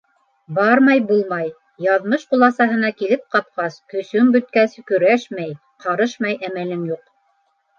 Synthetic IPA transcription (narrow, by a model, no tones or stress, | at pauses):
bɑɾmɑjbulˠmɑj | jɑðmɤʃqulˠɑsɑɦɤ̆nɑkilɘp̚qɑp̚qɑskɵ̆sɵŋbɵ̆t̪̚kæskɵ̆ɾæʃmæj | qɑɾɤʃmɑjʔæmælɘŋjuq